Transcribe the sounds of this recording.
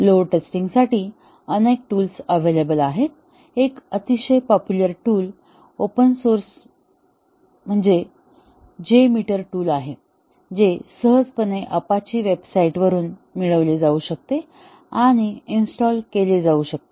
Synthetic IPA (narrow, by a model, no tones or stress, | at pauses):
loʈesʈiŋɡsaʈiː | ənek̚ʈuːlsəʋelebəlaɦe | ekət̪iɕəjpɔpjuləɾʈuːl | opənsoɾs | m̤əɳd͡ze | d͡ʑemiʈəɾʈuːlaɦe | d͡zesəɦəd͡zpəneʔəpat͡ɕiːʋebsaiʈʋəɾuːnmiɭəʋled͡zauɕək̚t̪e | aɽ̃iinsʈɔlkeled͡zauɕək̚t̪e